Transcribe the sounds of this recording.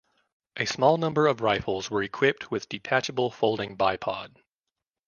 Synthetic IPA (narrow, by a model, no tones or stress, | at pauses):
ʔɨsmɔlˠnʌ̃mbə˞ʌvɹaɪfl̩ˠzwə˞ɨkʰw̥ɪp̚t̚ʰwɨðdɨtʰæt͡ʃɨbl̩ˠfoʊlˠdɪ̃ŋbaɪpʰɑ̰d̥